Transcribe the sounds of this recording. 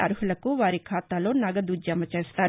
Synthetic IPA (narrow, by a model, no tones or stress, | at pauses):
ɐɾuɦulɐkuʋaːɾikʰaːt̪aːlo̞ːnɐɡɐd̪ud͡ʒjɐmɐt͡ʃeːst̪aːɾ